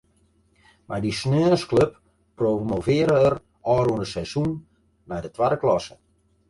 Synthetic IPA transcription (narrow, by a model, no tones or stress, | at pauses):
madisnøːskløpː | romovɪːəɾəər | ɔːɾuəndəsɛz̥unː | ajdətʋadəklɔsə